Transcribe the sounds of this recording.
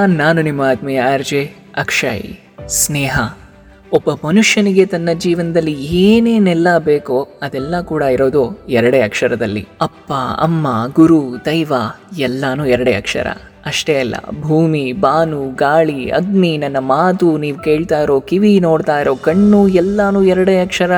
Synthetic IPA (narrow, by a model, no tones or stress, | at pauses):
naːnunimːaːd̪mɛjɐɐɾd͡ʒe | ɐkʂɐ̰jḭ | snɛːɦɐ | ɔbːɐmɐnuʂjɐniɡe̞t̪ɐnːɐd͡ʒiːʋɐnɐd̪ɐlːieːneːnɛlːɐbeːkoɐd̪ɛlːɐkuːɽɐiɾoːd̪oɛɾɐɽeːɐkʂɐɾɐd̪ɐlːḭɐpːaɐ̰mːaɡuɾud̪ɐjʋaːɛlːaːnuːɛɾɐɽḛːɐ̰kʂɐ̰ɾɐ̰ | ɐʂʈeɐlːɐ̰bʱuːmibaːnuɡaːɭiɐ̰ɡninɐnːɐmaːt̪uniːʋke̞ːɭt̪aːjɾo̞ːkiʋino̞ːɽt̪aːjɾo̞ːkɐɳːuːɛlːaːnuːɛɾɐɽeːɐkʂɐɾɐ